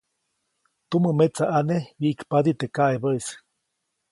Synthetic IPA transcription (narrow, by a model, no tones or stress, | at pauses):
t̪uməmet͡saʔanewiʔkpad̪it̪ekaʔeβəis